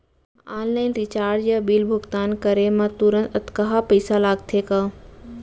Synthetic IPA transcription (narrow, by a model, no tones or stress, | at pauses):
aːnlaːɪnɾɪt͡ʃaːɾd͡ʒjabilbʱʊɡt̪aːnkəɾemãt̪uɾə̃nt̪ɐt̪kaɦapəɪsalaːɡ̚t̪ʰekaː